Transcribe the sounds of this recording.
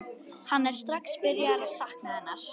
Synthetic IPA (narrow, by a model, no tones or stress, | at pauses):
hanːɛɾ̥st̪ɾaxspɪɾjaɾaðsahknaðɛnːaɾ̥